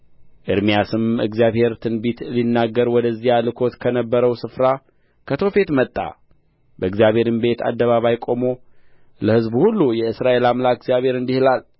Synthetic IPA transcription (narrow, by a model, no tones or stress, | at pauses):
ʔɨɾmijasɨmɨ̰ɡzijaβhe̞ɾt̪ʰɨnbit̪linːaɡːəɾwɔd̪əzːijalɨkʰo̞t̪kʰənəbːəɾəwsɨfɾa | kʰət̪ʰo̞fe̞t̪mət̪ʼːa̰ | bəɨɡzjaβhe̞ɾɨmbe̞t̪ʰa̰d̪ːəβaβajkʼo̞mo̞ | ləhɨzbhulːujɛɨsɾaʔe̞lamlakɨɡzijaβhe̞ɾɨnd̪ihɨlal